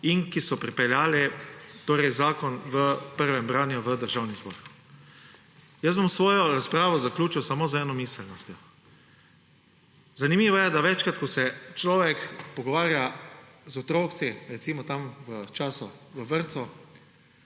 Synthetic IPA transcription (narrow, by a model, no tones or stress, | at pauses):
inkisɔpɾipɛljaːlɛt̪oːɾɛjzaːkɔnʋəpəɾʋɛmbɾaːnjuʋəd̪əɾʒaːwnizbɔ̰ːɾ | jəsbomsʋɔːjɔɾaspɾaːʋɔzaklʲuːt͡ʃiwsamoːzɛːnɔmiːsɛlnɔst̪jɔ | zanimiːʋɔjɛd̪aʋɛt͡ʃkɾat̪kɔsɛt͡ʃlɔːʋɛkpɔɡɔʋaːɾja | zɔt̪ɾoːkt̪siɾɛt̪siːmɔt̪amʋət͡ʃaːsɔʋəʋəɾt̪sɔ